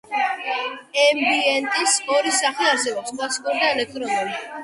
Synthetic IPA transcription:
ɛmbiɛnt̪ʼisɔɾisaχliaɾsɛbɔpsmaskʼɔɾd̪aɛlɛk̚t̪ʼɾɔnuli

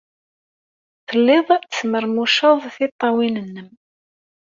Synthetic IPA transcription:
θəlːɪðˤsməɾmuʃəðˤθit̪ˤːɑwinənːəm

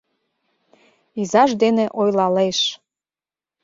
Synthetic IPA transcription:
izɑʃd̪eneʔojlɑleʃ

